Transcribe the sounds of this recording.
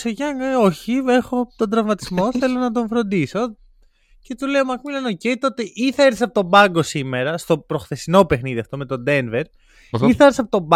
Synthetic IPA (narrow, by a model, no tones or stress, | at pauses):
soʝɐŋɡɐo̞çiexot̪o̞nd̪ɾɐvmɐt̪izmo̞θe̞lo̞nɐt̪̬o̞ɱfɾo̞nd̪iso̞ | ce̞t̪ule̞omɐkmilɐno̞ce̞jt̪o̞t̪e̞ʔiθɐeɾθisɐpot̪o̞bɐŋɡo̞sime̞ɾɐst̪o̞pɾo̞xθe̞sino̞pe̞xniðiɐft̪o̞me̞t̪o̞d̪enveɾ | iθɐeɾθisɐpot̪ob